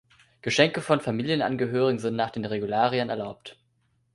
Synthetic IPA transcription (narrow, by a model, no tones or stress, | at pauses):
ɡ̥əʃɛŋkəfɔnfamiːljənʔa̰nɡəɦøːʁɪɡŋ̩zɪntnaːχd̥eːnʁeɡulaːʁiənɛ̰ɐlaʊpt